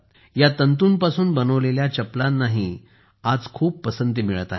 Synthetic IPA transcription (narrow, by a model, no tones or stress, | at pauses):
jat̪ənt̪uːnpasuːnbənəʋleljat͡ɕəplanːaɦi | ad͡zkʰuːpːəsənt̪imiɭət̪aɦ